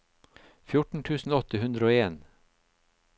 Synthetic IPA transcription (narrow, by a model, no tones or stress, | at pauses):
fjʊʈɳ̩t̪ʰʉːsn̩oɔt̪əɦʉnd̪ɾəoːeːn